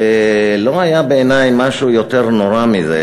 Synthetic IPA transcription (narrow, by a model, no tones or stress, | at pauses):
lo̞ɦajabeːnajmaʃujot̪eʁnoʁamizḛ